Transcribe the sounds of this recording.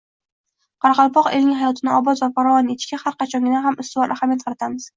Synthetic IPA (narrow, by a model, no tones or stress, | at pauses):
qʰɑɾɑqɑlˠpɒqelnɪŋʲɦajɒt̪ʰɪnɪɒbɒzvafaɾɒvɒnet̪ɪʃkʲahaɾqɑt͡ʃʰɒŋʲɪnaɦamɪst̪ɪvɒɾʔaχamjat̪̚qʰɑɾat̪ʰamɪz̥